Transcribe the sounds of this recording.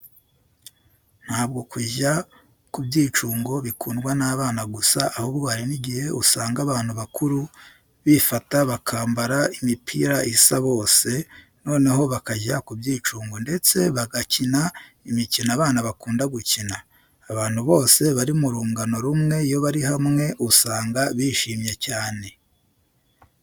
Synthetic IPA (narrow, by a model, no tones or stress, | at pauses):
n̥haːb̚ɡo̞kʰuʒa | kubɟiːt͡ʃuːŋɡo̞βikʰuːnɡwanaβaːnaɡusaʔːhoβɡwaːɾiniɟihe̞usaːŋɡaβaːn̥huβakʰuɾu | βifataβakʰaːmbaɾaimipʰḭɾaisaβo̞ːse̞ | no̞ːne̞ɦo̞βakaɟakubjiːt͡ʃuːŋɡonde̞t͡se̞βaɡacina | imicinaːβaːnaβakuːndaɡucinaː | βaːnhuβo̞ːse̞βaɾiumuɾuːŋɡano̞ɾumŋe̞jo̞βaɾiɦamŋe̞ʔusaːŋɡaβiːʃiːmɲecaːne̞